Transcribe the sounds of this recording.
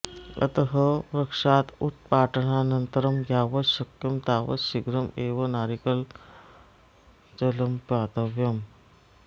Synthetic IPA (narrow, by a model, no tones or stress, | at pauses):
ɐ̰t̪əɦɐɾɐkʂaːt̪ut̪̚paːʈənanɐnt̪əɾɐmɡʱjaːʋɐɕɐkjɐmt̪aːʋɐ̰ʃiɡɾɐmeːʋɐnaːɾikɐl | t͡ʃɐlɐmpaːt̪ɐʋjɐm